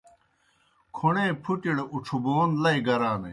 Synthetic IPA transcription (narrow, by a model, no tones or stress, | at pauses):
kʰuɳeːpʰuʈiɽuʈ͡ʂʰuboːnlɐiɡɐɾaːnḛ